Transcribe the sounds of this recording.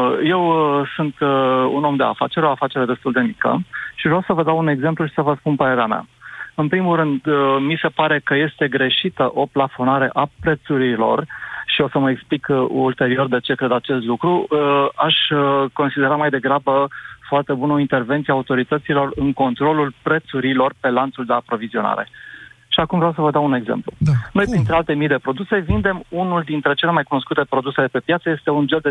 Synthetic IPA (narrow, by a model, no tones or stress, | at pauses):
je̞wsunt̪ṵno̞md̪e̞̰a̰fat͡ʃe̞ɾo̞afat͡ʃe̞ɾe̞d̪e̞st̪uld̪e̞mikə̰ʃiaʒɾawsəvəd̪awune̞ɡze̞mpluʃi̥səvəspunpəɾe̞ɾeamʲa̰ɨnpɾimulɾɨnd̪mise̞paɾe̞kəje̞st̪e̞ɡɾe̞ʃit̪əʔo̞plafo̞naɾe̞ʔapɾe̞t̪suɾilo̞̰rʃio̞səməeksplikult̪e̞ɾio̞rd̪e̞t͡ʃe̞kɾe̞d̪at͡ʃe̞st̪lukɾuaʃʲko̞nsid̪e̞ɾamajd̪e̞ɡɾabəfoart̪e̞bunəo̞int̪e̞rve̞nt̪siaut̪o̞ɾit̪ət̪silo̞rɨŋko̞nt̪ɾo̞lulpɾe̞t̪suɾilo̞rpe̞lant̪suld̪e̞apɾo̞vizio̞na̰ɾe̞ | ʃiakumvɾeawsəvəd̪oaune̞ɡzḛmplṵno̞jpɾint̪ɾealt̪emijd̪e̞pɾod̪use̞vind̪e̞munuld̪int̪ɾe̞t͡ʃe̞le̞majkuno̞skut̪e̞pɾo̞d̪use̞lepe̞pjat̪səje̞st̪eund͡ʒeld̪e